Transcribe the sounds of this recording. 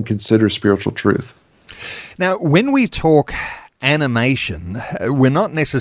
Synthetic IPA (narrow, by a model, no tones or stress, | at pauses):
nkʰɨ̃nsɪɾə˞spɪɹɨt͡ʃl̩ˠtʰɹ̥ʉ̰θ | naʊwɨ̃nwitʰɔˑkænəmeɪʃɨ̰̃nwɪɹnətⁿnɛsɨ